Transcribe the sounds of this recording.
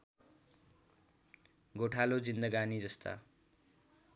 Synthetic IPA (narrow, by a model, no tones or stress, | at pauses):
ɡoʈʰalod͡zind̪ʌɡanid͡zʌst̪a̰